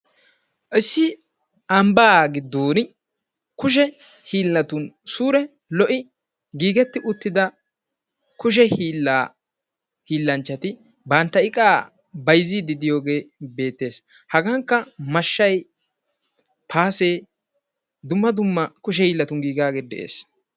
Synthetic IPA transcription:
ʔɪsːɪ | ɐmbaɡɪd̪oːn | kʊʃ̬ɛ | hiːlːɐt̪ʊnsuːɾɛ | lɔʔɪ | ɡiːɡɛt̪ːɪʔʊt̪ːɪd̪ɐ | kʊʃ̬ɛhiːlːaː | hiːlːɐnt͡ʃːɐt̪ɪ | bɐnt̪ːɐɪkʼaː | bɐjziːd̪ɪd̪ɪjo̞ːɡe̞ːbe̞ːt̪ːe̞ːs | hɐɡɐŋkːɐmɐʃːɐj | pʰaːseː | d̪ʊmːɐd̪ʊmːɐkʊʃ̬ɛhiːlːɐt̪ʊnɡiːɡaːɡeːd̪ɛʔḛːs

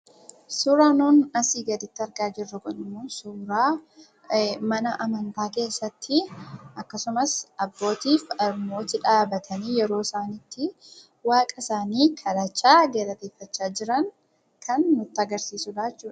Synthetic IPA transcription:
suːɾaːnuːnɐsiːɡɐd̪ɪt̪ːɪɐɾɡaːd͡ʒɪrːɐɡɔnɪmuːnsuːɾaː | mɐnɐʔɐmɐnt̪aːke̞ːsːɐt̪ːɪʔɐkːɐsʊmɐsʔɐbːo̞ːt̪iːfɐɾmo̞ːt̪ɪᶑaːbɐt̪ʰɐniːjɛɾo̞ːsaːnit̪ːɪ | waːkʼɐsaːniːkʰɐɾaːt͡ʃːaːɡeːɾɐt̪eːfːɐt͡ʃːaːd͡ʒɪɾɐŋ | kʰɐnːʊt̪ːɪɐɡɐɾsiːsʊd̪aːt͡ʃːuːᶑɐ̥

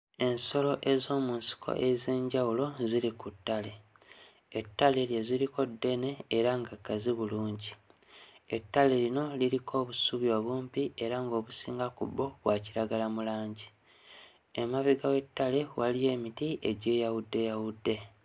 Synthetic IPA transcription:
e̞nso̞lo̞ʔe̞zo̞ːmunsi̥kʰo̰ʔeze̞ːɲɟawulo̞ziɾikutːale̞ | etːale̞ljeziɾiko̞dːe̞ne̞ːɾaŋɡakːaziβuluːɲɟi | etːale̞ɾino̞liɾikʰo̞ːβusuβjo̞ːβuːmpie̞ɾaŋɡo̞ːβusiːŋɡakṵbːo̞βwaciɾaɡalamulaːɲɟi | emaβiɡawe̞tːale̞walije̞ːmitiʔe̞ɟe̞ːjawudːe̞jawudːe̞

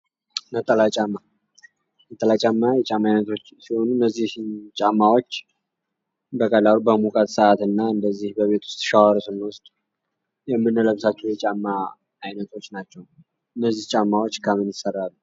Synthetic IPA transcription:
nət̪ʼːəlat͡ʃʼamːa | nət̪ʼəlat͡ʃʼamːajɛt͡ʃʼamːajnət̪ʰo̞t͡ʃːsiho̞nunːəzːiht͡ʃʼamːawot͡ʃː | bəkʼəlalubəmukʼət̪səʔat̪ɨnːaɨnd̪əzːihbəβet̪ʰwʊ̥st̪ʼʃawaɾsɨmwʊst̪ʼ | jɛmːɨnːələβsat͡ʃːɛwjɛt͡ʃʼamːaː | jnət̪ʰo̞t͡ʃːnat͡ʃːɛw | ɨnːəzːiht͡ʃʼamːawo̞t͡ʃːkʰamɨnjɪsərːalːu

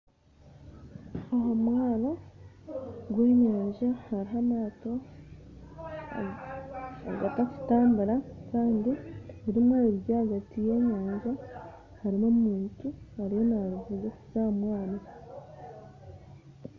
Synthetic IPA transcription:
aɦomwaːno | ɡweːɲaːɲʒahaɾiɦamaːto̞ | aɡataku̥taːmbaɾakaːndieɾimwaːloɾiβjaːhaɡatije̞ːɲaːɲʒa | haɾimomumuːɲcihaɾiho̞naɾuvuɡez̥amwaːno

